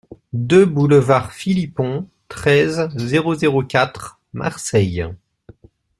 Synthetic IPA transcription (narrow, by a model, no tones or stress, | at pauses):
d̪øbuləvaʁfilipɔ̃ | t̪χɛzːeʁozeʁokʲat̪χ | mʔa̰ʁsɛj